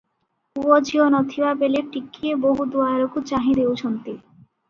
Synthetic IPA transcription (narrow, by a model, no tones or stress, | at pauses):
uod͡ʑionɔt̪ʰiwabeleɾʈikːieboɦud̪uaɾokut͡ɕaɦid̪ewʃont̪e